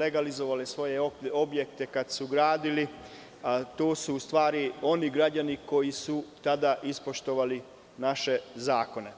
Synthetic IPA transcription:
eɡalizo̞ʋalesʋo̞jeo̞bje̞k̚t̪e̞kad̪suɡɾaːd̪ili | t̪oːsuːst̪ʋaːɾio̞niɡɾad͡ʑaniko̞jisut̪ad̪aʔispo̞ʃt̪o̞ʋali | naʃe̞zaːko̞ne̞

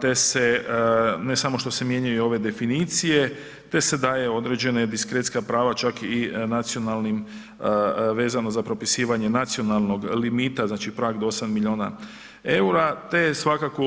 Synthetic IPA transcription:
t̪e̞se̞ | ne̞samo̞ʃt̪o̞se̞mje̞ɲajuo̞ʋe̞d̪e̞finiːt̪sije̞ | t̪e̞se̞d̪aːje̞o̞d̪ɾe̞d͡ʑe̞ned̪iskɾet̪skapɾaːʋat͡ʃakinat̪sio̞nalˠnim | ʋe̞ːzano̞zapɾo̞pisiːʋaɲe̞nat̪sio̞nalˠno̞ɡlimiːt̪aznaːt͡ʃipɾaːɡd̪oosamːiʎʲo̞ːna̰ | e̞uɾat̪e̞sʋakako

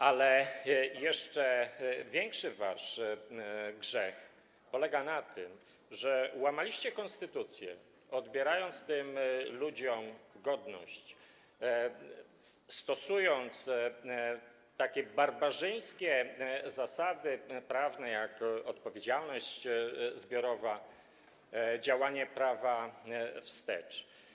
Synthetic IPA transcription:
alɛjɛʂt͡ʂɛvʲjɛŋkʂɘvaʂ | ɡʐɛx | pɔlɛɡanat̪ʰɘm | ʐɛwamalʲiɕt͡ɕɛkɔnst̪ɘt̪ut̪sʲjɛ̰ | ɔd̪bʲjɛɾajɔnt̪st̪ɘmlud͡ʑɔmɡɔd̪nɔ̰ɕt͡ɕ | st̪ɔsujɔnt̪s | t̪akʲɛbaɾbaʐɘj̃skʲɛzasad̪ɘpɾavnɛjakɔt̪pɔvʲjed͡ʑalnɔɕt͡ɕzbʲjɔɾɔva | d͡ʑawaɲɛpɾavafst̪ɛ̰t͡ʂ

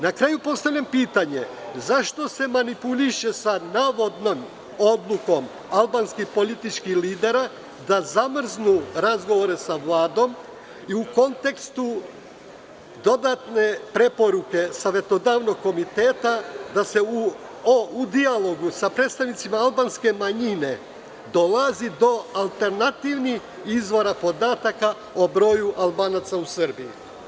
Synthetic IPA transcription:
nakɾaːjupo̞st̪aʋʎʲampiːt̪aɲe̞zaʃt̪o̞se̞manipuliʃe̞sanaːʋo̞d̪no̞m | od̪lˠuko̞m | alˠbanskixpo̞lit̪it͡ʃkixliːd̪e̞ɾa | d̪azamr̩znuɾazɡo̞ʋoɾe̞saʋlˠaːd̪o̞m | iuko̞nt̪e̞kst̪u | d̪o̞d̪at̪ne̞pɾe̞po̞ɾuke̞saʋe̞t̪o̞d̪aːʋno̞ɡ̚kːo̞mit̪e̞ːt̪ad̪ase̞u | ud̪ialo̞ɡusapɾed̪st̪aʋnit̪simaalˠbaːnske̞maɲine̞ | d̪o̞lazid̪o̞alˠt̪e̞ɾnat̪iʋnix | izʋo̞ɾapo̞d̪aːt̪aka | obɾo̞ːjuʔalbaːnat̪sausr̩biji

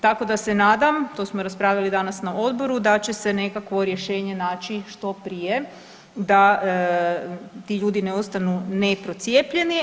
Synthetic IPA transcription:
t̪ako̞d̪ase̞naːd̪amt̪o̞smoɾaspɾaːʋʎalid̪anasnao̞d̪bo̞ɾud̪at͡ɕe̞sene̞kakʋo̞ɾje̞ʃe̞ːɲe̞naːt͡ɕiʃt̪o̞pɾije | d̪a | t̪iʎuːd̪ineo̞st̪anunepɾo̞t̪sje̞ːpʎe̞ni

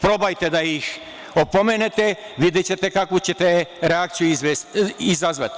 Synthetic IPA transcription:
pɾo̞bajt̪ed̪aix | opo̞menet̪e | ʋid̪et͡ɕet̪ekakʋut͡ɕet̪eɾeak̚t̪sijuizʋesizazʋat̪

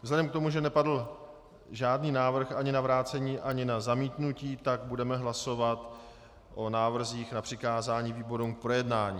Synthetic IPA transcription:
vzlɛdɛmkt̪omuʒɛnɛpadl̩ | ʒaːdniːnaːvr̩xʔaɲɪnavɾaːt͡sɛɲiːʔaɲɪnazamiːt̪nuciːt̪aɡ̚budɛmɛɦlaso̞vat̪ | ʔo̞naːvr̩ziːxnapr̥ɪkaːzaːɲiːviːbo̞ɾumk̚pɾo̞jɛdnaːɲiː

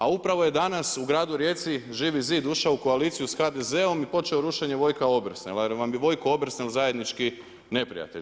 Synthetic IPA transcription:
aupɾaʋo̞je̞d̪anasuɡɾaːd̪uɾjeːt̪siʒiːʋiziːd̪uʃaouko̞aliːt̪sijusxad̪eze̞o̞mipo̞t͡ʃeoɾuʃe̞ɲeʋo̞jkao̞br̩snelaʋamjeʋo̞jkoo̞br̩snelzaje̞d̪nit͡ʃki | ne̞pɾḭja̰t̪eʎ

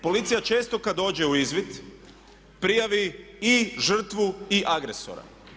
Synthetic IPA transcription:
po̞lit̪sijat͡ʃe̞ːst̪o̞kad̪o̞ːd͡ʑe̞uizʋit̪ | pɾijaʋiiʒr̩t̪ʋuiʔaɡɾeso̰ɾa̰

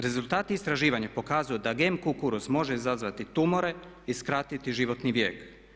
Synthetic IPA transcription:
ɾe̞zulˠt̪aːt̪iːst̪ɾaʒiːʋaɲapo̞kaːzujod̪aɡemkukuɾusmo̞ʒeizazʋat̪it̪umoɾe̞ | iskɾat̪it̪iʒiʋo̞t̪niʋje̞ːk

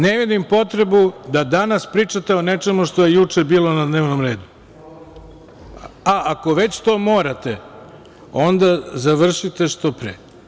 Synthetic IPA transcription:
neʋid̪impo̞t̪ɾe̞bud̪ad̪anaspɾiːt͡ʂat̪e̞one̞t͡ʂe̞muʂt̪o̞jejut͡ʂe̞biːlo̞nad̪neːʋnomɾe̞ːd̪u | aʔako̞ʋe̞t͡ɕt̪o̞ːmo̞ːɾat̪e̞ | o̞nd̪azaʋr̩ʃit̪e̞ʃt̪o̞pɾeː

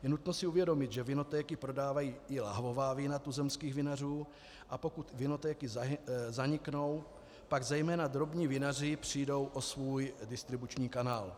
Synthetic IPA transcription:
jɛnut̪nosɪuvjɛdo̞mɪt̪ʒɛvɪno̞t̪ɛːkɪpɾo̞daːvajiːɪla̰ɦvo̞vaːviːnat̪uzɛmskiːɣvɪnar̝uː | ʔapo̞kut̪vɪno̞t̪ɛːkɪzaɲɪkno̞w | paɡzɛjmɛːnad̪ɾo̞bɲiːvɪnar̝ɪpr̝̥ijdo̞wʔo̞svuːjdɪst̪ɾɪbut͡ʃɲiːkanaːl

